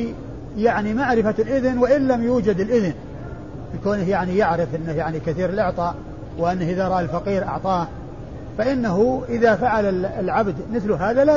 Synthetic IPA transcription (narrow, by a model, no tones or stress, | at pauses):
jaʕnimaʕɾɪfalʔɪðnwɪʔɪnlamjuːd͡ʒad̪ɪlʔɪðn | ʔɪlkoːnɪhjaʕnijaʕɾɪfʔɪnːajaʕnikaθiːɾɪlʔɪʕt̪ˤɑːʔ | wɪʔanːahʔɪðaɾˤɑʔalfaqiːɾʔɑ̰ʕt̪ˤɑːh | faʔɪnːaɦʊʔɪðafaʕalalʕabd̪mɪθlʊɦaːðala